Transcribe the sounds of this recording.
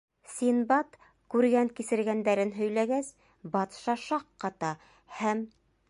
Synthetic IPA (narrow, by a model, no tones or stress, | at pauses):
sinbɑt̪ | kʉɾɡæŋkisɘ̆ɾɡænd̪æɾɘnɦɵ̆jlæɡæs | bɑt̪ʃɑʃɑqːɑt̪ɑ | hæm